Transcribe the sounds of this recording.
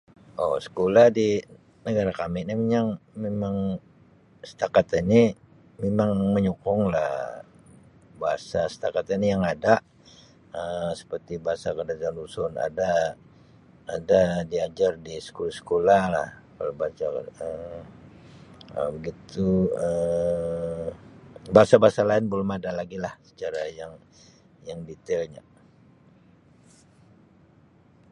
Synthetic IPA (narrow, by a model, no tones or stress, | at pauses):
ʔosə̥kolahdi | nəɡaɾakamɪnimeɲaŋmemaŋ | sə̥t̪akat̪ini | memaŋməɲukʊŋla̰h | baɦasasə̥t̪akat̪inijaŋada | əsə̥pərt̪ibaɦasakədad͡ʒalusʊna̰da | dadiad͡ʒardisə̥kolasə̥kolala̰hkalabat͡ʃaə | ə̰bəɡit̪uə | baasabaasalaɪnbəlʊmadalaɡilahsə̥t͡ʃaɾajaŋ | jaŋdit̪ɛlɲa̰